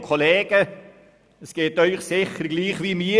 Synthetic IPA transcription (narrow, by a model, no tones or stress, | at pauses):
kʰoleːɡ̥ə | əsɡ̥eːtœʏχsɪχərɡliːχʋiːmi